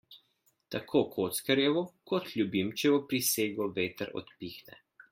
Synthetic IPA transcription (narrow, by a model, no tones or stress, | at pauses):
t̪akʰoːkʰoːt̪skɐɾjɛʋɔkɔt̪lʲjubimt͡ʃɛbɔpɾiseːɡɔʋeːt̪əɾɔ̰t̪piːxnɛ̰